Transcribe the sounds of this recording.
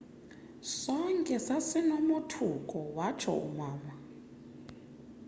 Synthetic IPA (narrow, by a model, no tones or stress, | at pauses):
sɔŋkʼɛsasinomotʰukʼɔwat͡ʃʰɔ̰ṵmaːma